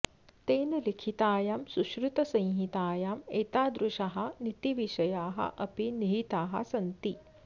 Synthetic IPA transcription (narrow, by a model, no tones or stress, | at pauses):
t̪eːnɐlikʰit̪aːjaːmsuʃɾut̪ɐsɐ̃j̃ɦit̪aːjaːmeːt̪aːd̪ɾuʃɐɦɐnit̪iʋiʃɐjaːɦɐ̰ʔɐpiniɦit̪aːɦɐ̰sɐnt̪i